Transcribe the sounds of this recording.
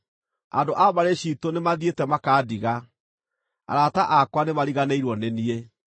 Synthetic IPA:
a̰ndoʔabaɾeɕitonemaðietɛmakaːdiɣa | a̰ɾataʔakwanemaɾiɣaneiɾwɔnɛnie

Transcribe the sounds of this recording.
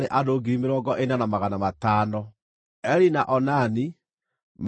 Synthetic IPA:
ɾeʔadoːɡiɾimeɾɔːɡɔʔenanamaɣanamataːnɔ | ɛɾinaʔɔnani | m

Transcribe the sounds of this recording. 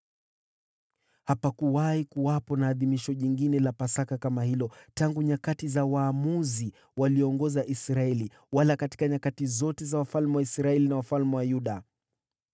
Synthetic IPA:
hapakuwaikuwapɔnaːðimiʃɔʄiŋɡinɛlapasakakamahilɔtaŋɡuɲakatizawaːmuzi | waliɔŋɡɔzaʔisɾaɛli | walakati̥kaɲakatizɔtɛzawafalmɛwaisɾaɛlinawafalmɛwajuɗa

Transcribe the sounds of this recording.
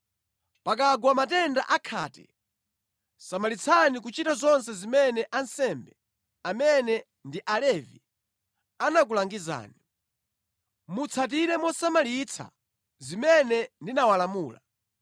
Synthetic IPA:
pak̬aɡwamatɛndaʔakʰa̰ːtɛ̥̰ | samalit͡sʰanik̬ut͡ʃitazɔnsɛzimɛnɛʔansɛmbɛ | amɛnɛ | ndiʔalɛvḭ | anak̬ulaŋɡiza̰ːni | mut͡sʰat̬iɾɛmɔsamalit͡sʰa̰ | zimɛnɛndinawalamuːla

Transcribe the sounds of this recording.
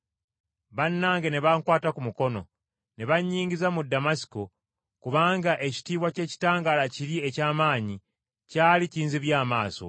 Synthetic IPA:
βanːaːŋɡeneβaŋkwaːtakumuko̞no̞̰ | neβaɲːiːŋɟizamudːamasi̥ko | kuβaːŋɡaʔe̞ci̥tiːβwace̞ːci̥taːŋɡalaciɾie̞caːmaːɲi | caːliciːnziβjaːmaːso̞̰

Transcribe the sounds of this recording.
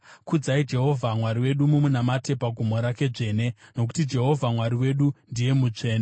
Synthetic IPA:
kud͡zaid͡ʒe̞ɦo̞vʱamwaɾiwe̞ɗumumunamate̞paɡʱomo̞ɾake̞ʐe̞ːne̞no̞k̬u̥tid͡ʒe̞ɦo̞vʱamwaɾiwe̞ɗundije̞mut͡ʂeːna

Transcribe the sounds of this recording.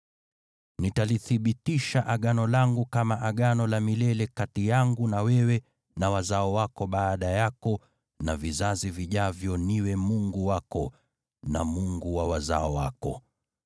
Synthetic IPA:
nitaliθiɓitiʃaʔaɠanɔlaŋɡukamaʔaɠanɔlamilɛlɛkatijaŋɡunawɛwɛ | nawazaɔwakɔɓaːɗajakɔ | navizaziviʄavjɔniwɛmuŋɡuwakɔ | na̰muŋɡuwawaza̰ɔwa̰kɔ

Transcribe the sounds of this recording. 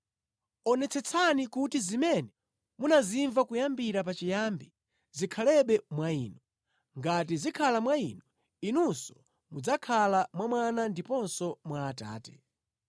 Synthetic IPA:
ɔnɛt͡sʰɛt͡sʰanikutizimɛnɛ | munaziɱvakujambiɾapat͡ʃijambi | zikʰalɛɓɛmwaiːnɔ | ŋɡatizikʰalamwainɔ | inunsɔ̥ | mud͡zakʰalamwamwanandipɔnsɔmwaːta̰ːtɛ̥

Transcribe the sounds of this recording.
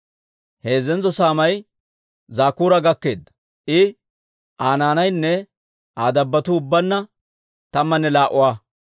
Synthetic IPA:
he̞ːzɛnzɔsaːmɐj | zaːkuːɾɐɡɐkːe̞ːd̪ːɐ̥ | ʔɪ | ʔaːnaːnɐjnːɛ | aːd̪ɐbːɐt̪ʊʊbːɐnːɐ | t̪ɐmːɐnːɛlaːʔʊwaː

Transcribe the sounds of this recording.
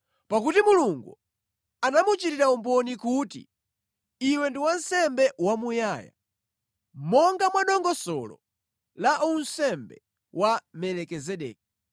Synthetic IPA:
pakutimuluŋɡṵ | anamut͡ʃitiɾaumbɔnikutḭ | iwɛndiwansɛmbɛwamujaːja̰ | mɔŋɡamwaɗɔŋɡɔsɔ̰lɔ̰ | laʔunsɛmbɛ̰ | wamɛlɛkɛzɛɗɛ̰ːk̚i

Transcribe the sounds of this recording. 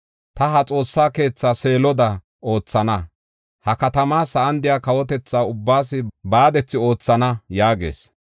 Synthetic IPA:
t̪ɐɦɐt͡sʼo̞ːsːaːke̞ːt͡sːaːse̞ːlɔd̪ɐ | ʔo̞ːt͡sːɐnɐ | hɐkɐt̪ɐmaːsɐʔɐnd̪ɪjaːkɐwɔt̪ɛt͡sːaːʊbːaːsɪbaːd̪ɛt͡sːɪo̞ːt͡sːɐnɐjaːɡḛːs

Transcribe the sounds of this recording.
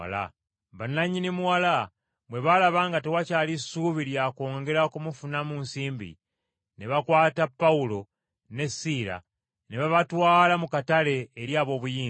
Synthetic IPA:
la̰ | banaɲinimuwala | bwe̞βalaβaːŋɡatewacaːlisuβiɾjako̞ːŋɡe̞ɾakumufunamunsiːmbḭ | neβakwaːtapːaulo̞ | ne̞sila̰ | neβaβatwaːlamukatale̞ːɾjaːβo̞ːβujiː

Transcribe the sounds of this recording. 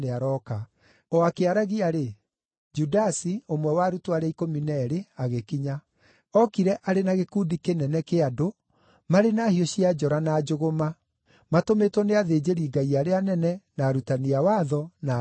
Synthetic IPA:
neaɾɔka | ɔakeaɾaɣiaɾe | d͡ʒudasiomwɛwaɾutoaɾɛikominɛɾeaɣekiɲa | ɔkiɾɛʔaɾenaɣekuːdikenɛnɛkeado | maɾenaːhioɕiad͡ʒɔɾanad͡ʒoɣoma | matometwɔneaðeːd͡ʑeɾiːɡaiaɾeanɛnɛnaɾutaniawaðɔna

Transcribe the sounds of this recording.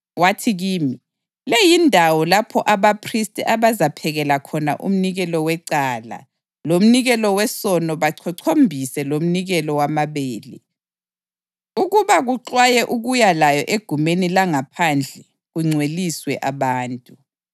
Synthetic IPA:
watʰiɣiːmi | lejindʱawɔlapʰɔʔaβapʰristʼiʔaβazapʰɛɣɛlakʰɔna̰ʔṵm̩niɣɛlɔwɛǀaːla̰ | lom̩niɣɛlɔwɛsɔnɔβaǀʰɔǀʰombʱisɛlom̩niɣɛlɔwamaβeːlḭ | uɣuβaɣuǁwajɛʔuɣujalajɔʔeɡ̥ʱumenilaŋapʰand͡ɮʱɛ | ɣuŋ͡ǀʱweliswɛʔaβaːntʼu

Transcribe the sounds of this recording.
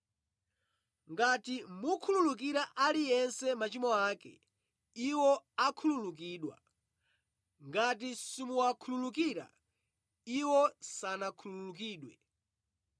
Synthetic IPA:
ŋɡatimukʰululuk̬iɾaʔalijɛnsɛmat͡ʃimɔaːkɛ̰ | iwɔakʰululuk̬iːɗwa̰ | ŋɡatisimuwakʰululukiɾa̰ | iwɔsanakʰululuk̬iːɗwɛ

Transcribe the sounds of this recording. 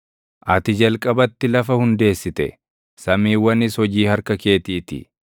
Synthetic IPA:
ʔɐt̪ɪd͡ʒɐlkʼɐbɐt̪ːɪlɐfɐhʊnd̪e̞ːsːɪt̪ɛ̰ | sɐmiːwːɐnɪshɔd͡ʒiːhɐɾkɐke̞ːt̪iːt̪ɪ̰

